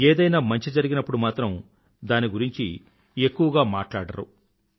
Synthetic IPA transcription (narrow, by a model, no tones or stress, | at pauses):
eːd̪ɐjnaːmɐɲt͡ʃid͡ʒɐɾiɡinɐpːuɽumaːt̪ɾɐm | d̪aːniɡuɾiɲt͡ʃḭ | e̞kːuʋɐɡaːmaːʈlaːɽɐɾṵ